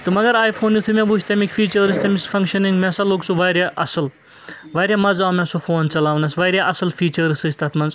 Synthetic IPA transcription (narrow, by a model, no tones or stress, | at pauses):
t̪umɐɡɐɾaːjpʰoːnjut̪ʰumẽbuːt͡ʃʰt̪ɐmikʲfʰiːt͡ʃɐɾɾist̪ɐmisfʰɐŋkʃɐniŋɡmɛsɐloːɡsuʋaːɾjaʔɐsɐl | ʋaːɾjamɐzaːmẽsofoːnt͡ʃɐlaːʋnɐsʋaːɾjaʔɐsɐlfʰiːt͡ʃɐɾɾɨsɨst̪ɐt̪ʰmɐnz